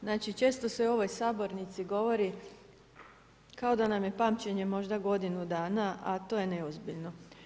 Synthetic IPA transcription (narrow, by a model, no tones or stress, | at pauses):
znaːt͡ʃit͡ʃe̞ːst̪o̞seo̞ʋo̞jsaːbo̞ɾnit̪siɡo̞ʋo̞ɾi | kao̞d̪anamje̞paːmt͡ɕeɲe̞mo̞ʒd̪aɡo̞d̪inud̪aːnaʔat̪o̞ːjeneozbiʎno̞